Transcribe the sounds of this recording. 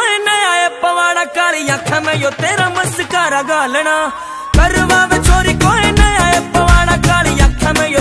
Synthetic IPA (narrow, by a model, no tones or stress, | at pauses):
enɐjaːepɐʋaːɽ̃akaːlijakʰamɛ̃jot̪eːɾamɐskaːɾɐɡaːləɽ̃aː | kɐɾʋaːʋet͡ʃʰoːɾikoːenɐjaːepɐʋaːɽ̃akaːlijaːkʰamɛ̃jo